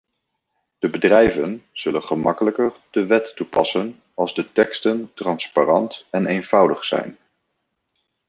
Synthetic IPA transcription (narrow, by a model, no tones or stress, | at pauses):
d̥əbədrɛjvənz̥ɵlənχəmɑkələkəɹd̥əʋɛtːupɑ̰sən | ɑlˠzdətɛkstəntrɑnsparɑntɛnejnv̥ʌwdəχsɛ̰jn